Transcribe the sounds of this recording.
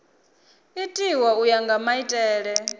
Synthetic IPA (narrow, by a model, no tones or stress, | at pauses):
itʼiwaujaŋɡamaitʼɛːɺɛ